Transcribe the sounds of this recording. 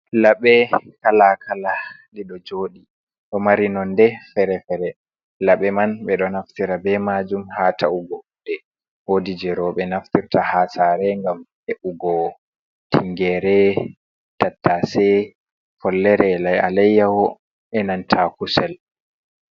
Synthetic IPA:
laɓɛkalakʰala | liɗɔd͡ʒoːɗi | ɗɔmaɾinɔndɛfɛɾɛfɛɾɛ | laɓɛmanɓɛɗɔnaftiɾabɛmad͡ʒumhatauɡɔudɛ | wodid͡ʒɛɾɔɓɛnaftiɾtahasaɾɛŋɡam | ɛʔuɡɔ | tiŋɡɛɾɛ | tatːasɛ | fɔlːɛɾɛlaja̰lɛjːawɔ | ɛnantʰakusɛl

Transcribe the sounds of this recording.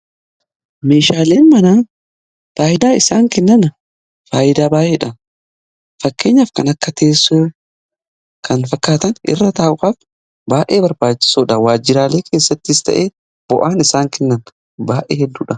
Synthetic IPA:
me̞ːʃaːle̞ːnmɐnaːn | faːjɪd̪aːɪsaːŋkɛnːɐnɐ | faːʔɪd̪aːbaːʔeːᶑɐ | fɐkːe̞ːɲːaːfkɐnɐkːɐt̪ʰe̞ːsːuː | kʰɐnfɐkːaːt̪ɐnʔɪ̰rːɐt̪aːʔʊkʼaːf | baːʔe̞ːbɐɾbaːt͡ʃːɪ̥suːᶑɐwaːd͡ʒːɪɾaːleːkʰe̞ːsːɐt̪ːɪːst̪ɐ̰ʔe̞ː | b̥ɔʔaːnɪsaːŋkɛnːɐn | baːʔeːhɛd̪ːuːᶑɐ

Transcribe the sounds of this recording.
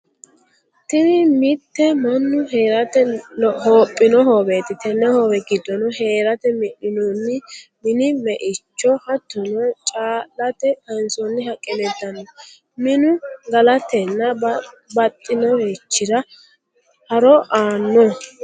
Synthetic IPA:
t̪ɛnɪmɪt̪ːɛmɐnːʊɦeːɾɐt̪ɛhoːpʼːɪnɔhoːbet̪ɪt̪ɛnːɛhoːbɛɡɪd̪ːɔnɔɦe̞ːɾɐt̪ɛmɪɗɪnɔnːɪmɪnɪmɛʔɪt͡ʃːɔhɐt̪ːʊnɔt͡ʃʼaːlːɐt̪ɛtɐnsɔnːɪɦɐkʼɛlɛd̪ɐnːɔ | mɪnʊɡɐlɐt̪ɛnːɐ | bɐt̪ʼːɪnɔhet͡ʃːɪɾɐ | hɐɾɔʔaːnːɔ

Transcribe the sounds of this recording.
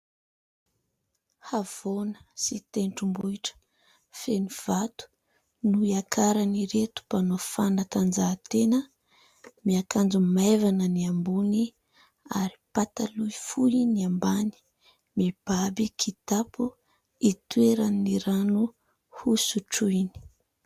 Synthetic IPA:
hav̥onə̥sit̪eɳʈ͡ʂumbuiʈ͡ʂə̥ | feniv̥at̪u̥ | nuiakʰaɾaniɾet̪u̥panofanat̪and͡zat̪enə | miakand͡zumajvanəniambuni | aɾi̥pat̪aluifuiniambani̥ | mib̥abikʰit̪apu | it̪uweɾaniɾanu | husuʈ͡ʂuini̥

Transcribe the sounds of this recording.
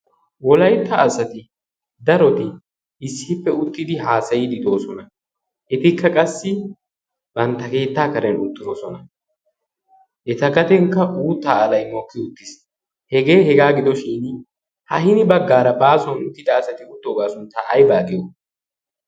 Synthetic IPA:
wɔlɐjt̪ːɐːsɐt̪ɪ | d̪ɐɾɔt̪ɪ | ɪsːɪpːɛʊt̪ːɪd̪ɪɦaːsɐjɪd̪ɪd̪o̞ːsɔnɐ | ʔɛt̪ɪkːɐkʼɐsːɪ | bɐnt̪ːɐke̞ːt̪ːaːkɐɾɛnʊt̪ːɪɾosɔnɐ | ʔɛt̪ɐɡɐt̪ɛŋkːɐʔuːt̪ːaːlɐjmɔkːɪʊt̪ːɪs | hɛɡe̞ːhɛɡaːɡɪd̪ɔʃiːn | hɐhɪnɪbɐɡːaːɾɐbaːsɔnʊt̪ːɪd̪ɐːsɐt̪ɪʊt̪ːoːɡaːsʊnt̪ːaʔɐjbaːɡɪjo

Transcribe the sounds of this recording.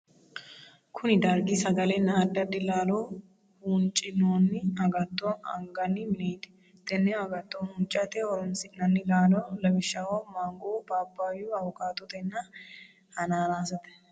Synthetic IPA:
kʰʊnɪd̪ɐɾɡɪsɐɡɐlɛnːɐːd̪ːɐd̪ːɪlaːloː | hunt͡ʃʼɪnoːnːɪɐɡɐt̪ʼːoɐ̰ŋɡɐnːɪmɪneːd̪ɛ̥ | t̪ɛnːɛɐɡɐt̪ʼːonhʊnt͡ʃʼːɐt̪ɛɔɾɔnsɪnɐnːɪlaːloːlɐbɪʃːɐwoːmaːŋɡoːbaːbːaːjuɐwʊkaːt̪ːɔt̪ɛnːɐ | hɐnaːɾaːsɐt̪ɛ̥

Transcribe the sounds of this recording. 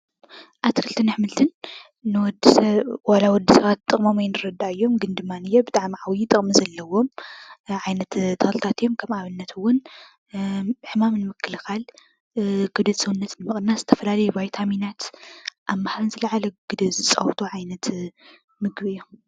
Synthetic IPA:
ʔaβt̪ʰɨkʰɨlt̪ʰɨnɨħmɨlt̪ʰɨnː | ɨwɔd̪swalawɔd̪ːisɐβat̪ʼːɨχʼmomajnɨɾɐd̪aɨjːo̞mɡɨnd̪ɨmːanɨjːobɨt̪ʼaʕmiʕawjit̪ʼɨχʼmizɐlːɐwo̞mʕajnɐt̪t̪ʰːɐxlɨt̪ʰat̪ʰijo̞mkʰɐmaβɨnːɐt̪ʰɨwːʊn | ħɨmamnɨmɨkʰːɨlxal | ɡ̥ɨd̪ɨsɨwunːɐt̪nɨmɨχʼnnazɨ̥t̪ʰɐfɐlalɐjubajt̪ʰaminat̪ʔaβːaħaɾnzɨlʕalɐɡɨd̪ɨzɨt͡sʼɐ̰wt̪ʰuʕajnɐt̪ | mɨɡbɨjːom

